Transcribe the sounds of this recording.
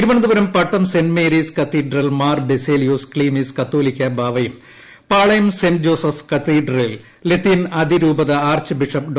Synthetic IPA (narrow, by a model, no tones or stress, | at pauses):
iɾuʋɐnɐnd̪ubɐɾɐmpɐʈːɐmsenmeːɾiːskɐt̪ːiːɖrɐlmaːrbeseːlijuːskɭiːmiskɐt̪ːoːlikʲːɐbʱaːʋɐjum | paːɭɐjɐmsend͡ʑoːsɐfkɐt̪iːɖrɐlil | let̪ːinɐd̪ʱiɾuːbɐðɐaːrt͡ɕɨbiʂɐp̚ɖ